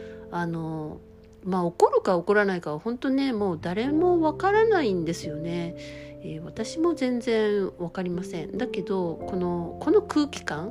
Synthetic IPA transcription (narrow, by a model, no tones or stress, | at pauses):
ano̞ | maːo̞ko̞ɾɯ̟kao̞ko̞ɾanaikaβahõ̞nt̪o̞ne̞mo̞ːd̪aɾe̞mo̞βakaɾanaĩnd̪e̞sɨjo̞ne̞eːβat̪aɕimo̞zẽ̞nd͡zẽ̞ɰ̃βakaɾʲimasẽ̞̰nd̪ake̞d̪o̞ko̞no̞ko̞no̞kɯ̟ːkʲi̥kãŋ